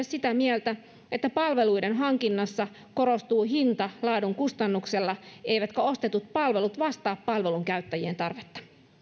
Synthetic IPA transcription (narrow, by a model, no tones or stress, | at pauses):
essit̪æmielt̪æ | et̪ːæpɑlʋe̞lujdenɦɑŋk̟inːɑsːɑ | ko̞ɾo̞st̪uːɦint̪ɑlɑːduŋkust̪ɑnːukselːɑe̞jʋæt̪kæo̞st̪e̞t̪ut̪̚pɑlʋe̞lut̪ʋɑst̪ɑːppɑlʋe̞luŋkæyt̪ːæjient̪ɑrʋet̪ːɑ̥